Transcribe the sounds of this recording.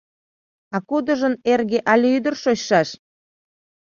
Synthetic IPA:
ɑkud̪əʒənerɣeʔɑlʲyd̪ərʃoɕʃɑʃ

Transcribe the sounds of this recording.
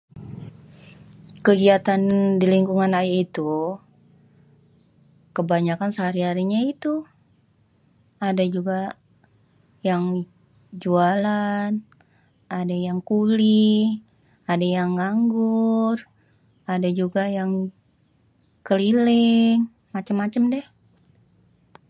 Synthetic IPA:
kəɡiat̪andiliŋkuŋanajait̪u | kəbaɲakansəɦaɾiɦaɾiɲait̪u | adad͡ʒuɡa | jaŋ | d͡ʒualan | adajaŋkuli | adajaŋɡaŋɡʊr | adad͡ʒuɡajaŋ | kəlilɪŋ | mat͡ʃamːat͡ʃəmdɛh

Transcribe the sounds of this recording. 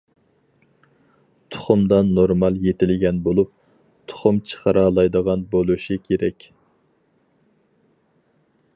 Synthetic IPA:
t̪ʰʊ̥χʊmd̪ɑnːoɾmɑlˠjet̪ʰɪlɡʲɛnbolˠup̚ | t̪ʰʊ̥χʊmt͡ʃʰə̥χəɾɑlˠɑjd̪əʁɑnbolˠuʃikʲʰeɾɛkʲ

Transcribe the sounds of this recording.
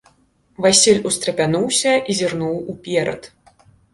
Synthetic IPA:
vasʲilʲust̪ɾɐpʲanuwsʲɐʔizʲirnuwupʲɛɾɐ̰t̪

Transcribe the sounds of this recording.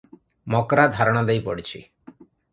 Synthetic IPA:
mɔkɾad̪ʱaɾɔɽ̃ɔd̪ejpɔ̰ɽit͡ʃʰḭ

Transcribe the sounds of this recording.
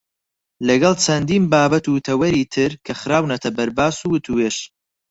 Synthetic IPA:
lɐɡɐlˠt͡ʃʰɐnd̪iːnbaːbɐt̪ut̪ʰɐwɐɾiːt̪ʰɨɾkʰɐχɨɾaːwnɐt̪ʰɐbɐɾbaːsuwɨt̪ʰuweːʃ

